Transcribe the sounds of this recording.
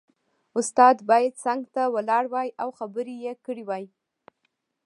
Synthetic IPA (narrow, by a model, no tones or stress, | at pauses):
ʊst̪ɑd̪bɑjad̪saŋɡt̪awəlɑɽwɑjawxabəɾijekəɽiwɑj